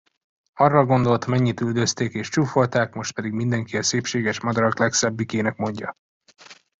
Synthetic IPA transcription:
ɒrːɒɡo̞nd̪o̞lt̪mɛɲːit̪yld̪øst̪eːkeːʃt͡ʃuːfo̞lt̪aːkmo̞ʃt̪̚pɛd̪iɡmind̪ɛŋkiɒseːpʃeːɡɛʃmɒd̪ɒɾɒklɛksɛbːikeːnɛkmo̞ɲɟɒ

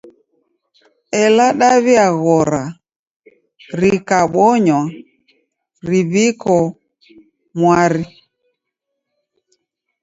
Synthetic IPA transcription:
ɛlaɗaβiaɣɔɾa | ɾikaɓɔɲwa | ɾiβikɔ | mwaɾi

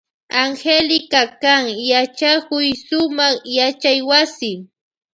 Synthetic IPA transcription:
aŋxelɪkakaŋjat͡ʃakʊjsʊmaχjat͡ʃajwasɪ

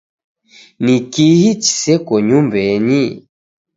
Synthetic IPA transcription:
nikihit͡ʃi̥sɛkɔɲumbɛɲi

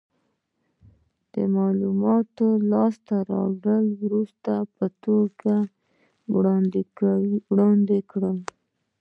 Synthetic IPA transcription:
d̪̥ə̰mɑlumɑt̪olɑst̪aɾɑ̰ɡəlwɾust̪apət̪oɡa | wɽɑnd̪ɪkawiwɽɑnd̪ekɽəl

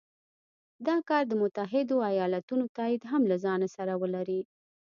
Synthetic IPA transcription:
d̪ɑkɑɾd̪əmʊt̪aɦɪd̪oajɑlat̪unot̪ɑɪd̪ɦamlazɑnasaɾawəlaɾi

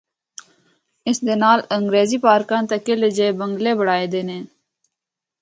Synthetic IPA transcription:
ɪsd̪enaːləŋɡɾeːzipaːɾkãːnt̪ɐkeled͡ʒebəŋɡleːbəɽaːed̪eneː

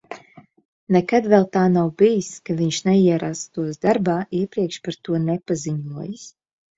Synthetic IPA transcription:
nɛkad̪vɛlˠt̪aːnawbijiskaviɲʃnɛiɛɾast̪uɔsd̪aɾbaːʔiɛpɾiɛkʃpaɾt̪uɔnɛpaziɲuɔjɨs

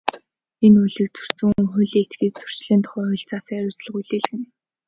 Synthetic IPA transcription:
enujɮĭk̚t͡sɵ̥r̥t͡sɘ̆ŋuŋxɵɮiːet̪ɡiːt̚t͡sɵ̥r̥t͡ɕɮiːnt̪ʰʊ̥χœːxʊɬt͡saːsæɾʲʊːt͡s̆ɮə̆χuɮiːɮxɘ̆n

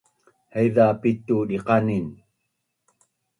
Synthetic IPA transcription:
haiðaːpit̪ːuːdeqɑnin

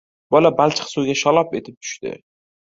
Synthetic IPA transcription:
bɒlabalt͡ʃʰɪ̥qsuwɡʲaʃɒlˠɒpe̞t̪ʰɪp̚t̪ʰʊ̥ʃt̪ɪ̰

